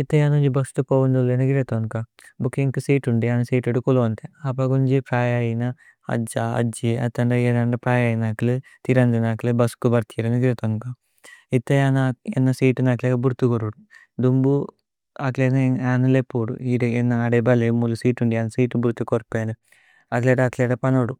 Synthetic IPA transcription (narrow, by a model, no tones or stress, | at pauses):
it̪ːejaːnuɲd͡ʒibɐstɨpoːɣund̪olenːɐɡiɾɐt̪ːonːukːabukːiŋkɨsiːʈːuɳɖɨjaːnɨsiːʈːuɽɨkuloːnt̪eɐpːɐɡuɲd͡ʑipraːjaːjina | ɐ̰d͡ʑaɐ̰d͡ʑiɐ̰t̪ːaɳɖeeːðaːɳɖepraːjaːjinaːkːilɨt̪iɾɐnd̪inaːkːilɨbɐskubɐrt̪ʰijɐɾenːuɡiɾɐt̪ːonːukːa | it̪ːejaːnenːɐsiːʈːɨnaːkːilekːburt̪ːukoruɽu | d̪umbu | akːilenaːnɐlepːoːɽṵiɾeenːɐɐɽebɐlɐjumuːlusiːʈːuɳɖɨjaːnɨsiːʈːɨburt̪ːukorpːeːnɨ | ɐkileɽakːileɽepɐnoːɽu